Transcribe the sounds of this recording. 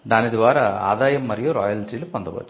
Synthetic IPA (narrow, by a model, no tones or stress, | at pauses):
d̪aːnɪðɯʋaːɾɐa̰ːðaːjɐmːɐɾɪjõːɾɔːjɐlʈɾilpːɐnd̪ɐpɐ̰ː